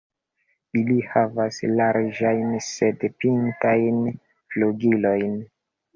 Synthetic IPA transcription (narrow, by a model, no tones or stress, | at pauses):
ilihavaslaɾd͡ʒajnsedpintajn | fluɡilo̞jn